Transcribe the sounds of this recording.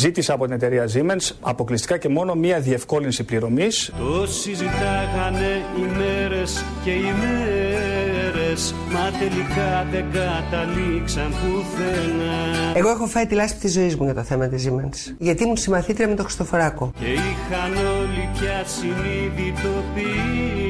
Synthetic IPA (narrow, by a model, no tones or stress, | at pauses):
zit̪iseɐpo̞t̪ine̞t̪e̞ɾiɐzimensɐ̰po̞klist̪i̥kɐce̞mo̞no̞miɐðie̞fko̞linsipliɾo̞mist̪o̞sizit̪ɐɣɐne̞imeɾes | ce̞ime | ɾes | mɐt̪e̞likɐðeɡɐt̪ɐliksɐnt̪uθenɐe̞ɣo̞exo̞fɐit̪ilɐspi̥t̪izo̞izmuʝɐt̪o̞θe̞mɐt̪izimens | ʝɐt̪imusimɐθit̪iɾɐme̞t̪oxɾi̥st̪o̞foɾɐkoce̞ixɐno̞lipçɐsiniðit̪o̞pi